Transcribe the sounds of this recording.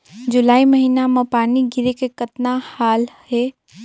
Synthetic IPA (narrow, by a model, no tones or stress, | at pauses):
d͡ʒʊlaːimɐɦinamãpaːniɡʱɪɾekekət̪nahaːlhe